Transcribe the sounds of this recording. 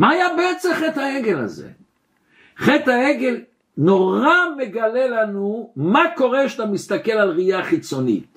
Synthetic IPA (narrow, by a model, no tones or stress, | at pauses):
maːjabeet͡semχethaeɡela̰zḛ | χet̪haeɡe̞l | no̞ʁame̞ɡale̞lanumako̞ʁeʃat̪amist̪ake̞lalʁijaχit͡so̞nḭt